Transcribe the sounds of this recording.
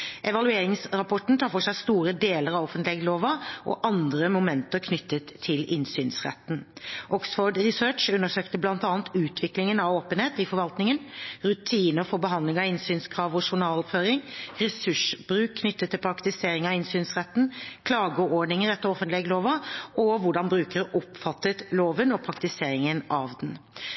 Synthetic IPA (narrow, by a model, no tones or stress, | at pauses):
ʔɛʋɑlʉeːɾɪŋsɾɑpʰɔʈn̩t̪ʰɑːfɔʂæɪst̪uːɾəd̪eːləɾɑʋɔfənt̪lɛːɡəloːʋɑʔɔ̰ʔɑnd̪ɾəmʊmɛnt̪əɾkʰnʏt̪ːət̪ʰːɪlɪnsyːnsʁɛ̰t̪nʔɔksfoːɖʁɪsøːʈt͡ʃʉnːəʂøːkt̪əblɑnt̪ɑːnt̪ʉːt̪ʰʋɪklɪŋənɑʋoːpənheːt̪ɪfɔɾʋɑlt̪nɪŋənɾʉt̪ʰiːnəfɔbəɦɑnd̪lɪŋɑɪnsyːnskʰɾɑːʋɔʂʊɳɑːlɔpføːɾɪŋɾɛsʉʂb̥ɾʉːkkʰːnʏt̪ːət̪ʰːɪlpʰɾɑkt̪ɪseːɾɪŋɑɪnsyːnsʁɛt̪ːn̩kʰlɑːɡəɔɖɳɪŋəɾɛt̪ːəɾɔfənt̪lɛːɡəloːʋɑɔʋʊɖɑnbɾʉːkəɾəʔɔpfɑt̪ːət̪loːʋənɔpʰɾɑkt̪ɪseːɾɪŋənɑʋd̪ɛn